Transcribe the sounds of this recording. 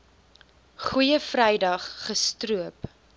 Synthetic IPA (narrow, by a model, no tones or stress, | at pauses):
χujəfrɛjdɐχːəstruəp